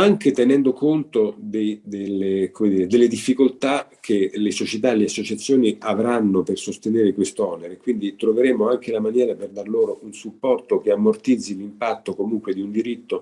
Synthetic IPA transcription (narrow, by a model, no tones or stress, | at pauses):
aŋket̪enɛnd̪okont̪od̪ed̪elːekomed̪iːɾed̪elːed̪ifːikolt̪akʰelesot͡ʃet̪aleasːot͡ʃat̪sːjoːniavɾanːopersost̪eneːɾekwest̪oɔneɾekwind̪it̪ɾoveɾeːmoaŋk̟elamanjɛːɾaperd̪arloːɾounsupːɔrt̪ok̟eamːort̪id̪zilimpat̪ːokomuŋkwed̪iund̪iɾit̪ːo